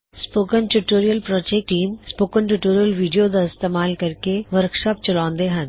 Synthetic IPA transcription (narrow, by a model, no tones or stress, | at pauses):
spoːkənʈuʈoːɾijəlpɾɔːd͡ʒek̚ʈiːmspoːkənʈuʈoːɾijəlʋiːɖijod̪aɪst̪eːmaːlkɐɾkeʋəɾkʃɔːpt͡ʃɐlãːnd̪eɦɐ̃n